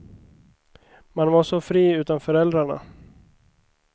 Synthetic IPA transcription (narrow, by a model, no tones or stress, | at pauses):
manvaʂɔfɾiːʉ̟ːt̪anfœɾɛld̪ɾaɳa̰